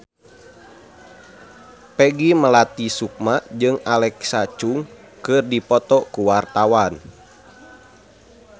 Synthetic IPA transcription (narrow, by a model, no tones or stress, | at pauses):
pɛɡiməlat̪isuk̚mad͡ʒɨŋalɛksat͡ʃuŋ | kɨrdipɔt̪ɔkuwart̪awan